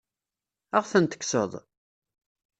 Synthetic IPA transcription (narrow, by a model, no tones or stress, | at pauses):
əʁθənt̪ə̥kːsə̰ðˤ